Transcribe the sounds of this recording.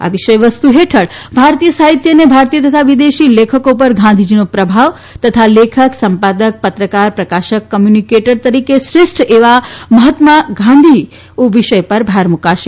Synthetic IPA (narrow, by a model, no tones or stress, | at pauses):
a̰ʋiʃəjʋəst̪uɦeʈʰəɭbʱaɾt̪ijəsaɦit̪jənebʱaɾt̪ijət̪ət̪ʰaʋid̪eʃilekʰəkopəɾɡʱãnd̪ʱid͡ʒinopɾəbʱaʋ | t̪ət̪ʰalekʰəksəmpad̪ək̚pət̪ɾəkaɾpɾəkaʃəkːəmjunikeʈəɾt̪əɾikesɾɪsʈʰeʋaməɦət̪maɡʱãnd̪ʱi | oʋiʃəjpəɾbʱaɾmukaʃe